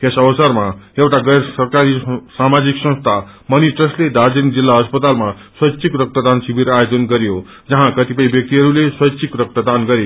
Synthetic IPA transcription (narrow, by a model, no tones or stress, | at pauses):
kesʌbʌsʌrmajewʈaɡʌjɾsʌrkaɾisamad͡ziksʌ̃st̪ʰa | mʌniʈrʌsled̪ad͡zind͡zilːaɦʌspʌt̪alma | swʌsʰikrʌk̚t̪ʌd̪ansibʱiɾajod͡zʌnɡʌɾjo | d͡zʌɦãkʌt̪ipʌjbjʌk̚t̪iɦʌɾuleswʌsʰikrʌk̚t̪ʌd̪anɡʌɾe